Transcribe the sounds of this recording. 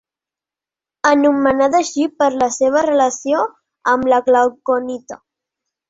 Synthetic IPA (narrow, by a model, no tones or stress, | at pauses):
ənumənad̪əʃipəɾləseβ̞ərələsio | əmləɣlawkonit̪ə